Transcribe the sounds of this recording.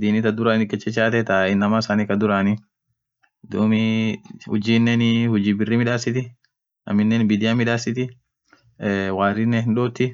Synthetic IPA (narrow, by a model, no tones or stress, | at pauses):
d̪iːnɪt̪ɐd̪ʊɾaːnnɪkʼːɛt͡ʃːɛt͡ʃaːt̪ɛt̪ɐɪnːɐmasaːnikɐd̪ʊɾaːnɪ | d̪uːmɪhʊ̰d͡ʒiːnːɛnhʊd͡ʒiːbɪrːɪmɪᶑaːsɪt̪ɪ | nɐ̰mɪnːɛnbɪd̪ɪjɐmɪᶑaːsɪt̪̬ɪ | waːrɪnːɛhɪnᶑoːt̪ːɪ